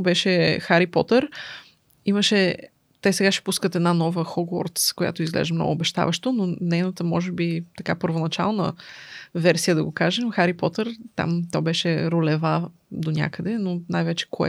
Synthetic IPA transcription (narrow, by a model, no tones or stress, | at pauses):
bɛʃɛxaɾipɔ̰t̪əɾ | iməʃɛ | t̪ɛsɛɡaʃɛ̥puskət̪ɛd̪nanɔvəxɔɡwɔ̰ɾt̪skoja̰t̪oizɡlɛ̰ʒɛmnɔ̰ɡʊːbɛʃt̪a̰vəʃt̪ononɛjnət̪əmɔʒɛbit̪ɐkapəɾvonɐt͡ʃalˠnə̰ | vɛɾsijəd̪ɐɡokaʒɛmxaɾipɔt̪əɾt̪a̰mt̪ɔjbɛʃɛɾolɛvad̪onʲa̰kəd̪ɛnonajvɛt͡ʃɛ̥kʰoɛ̰